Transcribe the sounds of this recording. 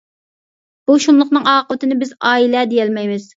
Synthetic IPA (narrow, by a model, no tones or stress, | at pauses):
b̥uʃunlˠʊχnɨŋɑːqəʋɪt̪ʰɪnɪbɪzɑːilɛd̪ejɛlmɛjmɪz̥